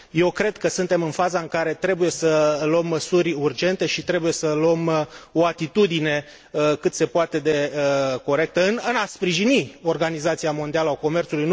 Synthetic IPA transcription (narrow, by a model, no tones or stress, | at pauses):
je̞wkɾe̞d̪̚kəsɨnt̪e̞mɨnfazaɨŋkaɾe̞t̪ɾe̞buje̞sələmːəsurʲurd͡ʒe̞nt̪e̞ʃit̪ɾe̞buje̞səluəmo̞at̪it̪ud̪ine̞ | kɨt̪se̞poat̪e̞d̪e̞ko̞ɾe̞k̚t̪əɨnɨnaspɾiʒinio̞rɡanizat̪siamo̞nd̪ialəako̞me̞rt̪sulujn